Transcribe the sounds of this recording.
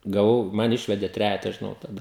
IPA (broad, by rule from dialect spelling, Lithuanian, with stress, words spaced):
ɡɐˈʋɐʊ ˈmɐn ˈɪʃʲʋʲɛdʲeː ˈtʲrʲæːjɛtɐ ʒʲɪˈnɐʊ tɐˈdɐ